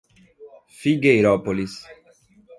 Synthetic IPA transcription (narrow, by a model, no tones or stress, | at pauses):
fiɡejɾɔpolis